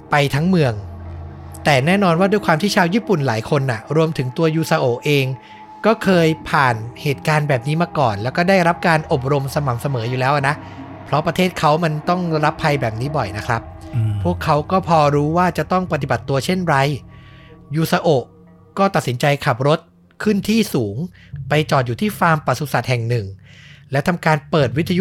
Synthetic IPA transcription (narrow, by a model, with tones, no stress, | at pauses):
pa˧jt̪ʰa˦˥ŋmɯ˧əŋ | t̪ɛː˨˩nɛː˥˩nɔː˧nwaː˥˩du˧jkʰwaː˧mt̪ʰiː˥˩t͡ɕʰaː˧wjiː˥˩pu˨˩nlaː˩˦jkʰo˧nʔa˨˩ɾu˧əmt̪ʰɯ˩˦ŋt̪u˧ɐjuː˧sa˧ʔoː˨˩ʔʔeː˧ŋ | kɔː˥˩kʰɤː˧jpʰaː˨˩nheː˨˩t̪̚kaː˧nbɛː˨˩p̚niː˦˥maː˧kɔː˨˩nlɛː˦˥wkɔː˥˩daː˥˩jɾa˦˥p̚kaː˧nʔo˨˩p̚ɾo˧msa˧ma˩˦msa˧mɤː˩˦juː˨˩lɛː˦˥wʔa˨˩na˦˥ʔ | pʰɾɔ˦˥pɾa˧eː˥˩t̪̚kʰa˦˥wma˧nt̪ɔ˥˩ŋɾa˦˥pʰːa˧jbɛː˨˩p̚niː˦˥bɔ˨˩jna˦˥kʰɾa˦˥p̚ʰːu˥˩əkʰːa˦˥wkɔː˥˩pʰɔː˧ɾuː˦˥waː˥˩t͡ɕa˨˩t̪ɔ˥˩ŋpa˧t̪i˨˩ba˨˩t̪ːu˧ɐt͡ɕʰe˥˩nɾa˧j | juː˨˩sa˧ʔo˨˩ʔ | kɔː˥˩t̪a˨˩t̪̚si˩˦nt͡ɕa˧jkʰa˨˩p̚ɾo˦˥t̪̚ | kʰɯ˥˩nt̪ʰiː˥˩suː˩˦ŋ | pa˧jt͡ɕɔː˨˩t̪̚juː˨˩iː˥˩faː˧mpa˨˩su˨˧sa˨˩t̪̚hɛ˨˩ŋnɯ˨˩ŋlɛ˦˥t̪ʰa˧mkaː˧npɤː˨˩t̪̚wi˦t̪ʰːa˧ju˦˥